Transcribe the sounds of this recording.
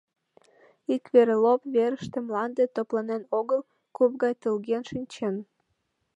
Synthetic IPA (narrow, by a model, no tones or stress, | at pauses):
ikβeɾelopβeɾəʃt̪ĕmlɑnd̪et̪oplɑnenoɣəl | kup̚ɣɑjt̪əlɣenʃinʲt͡ɕen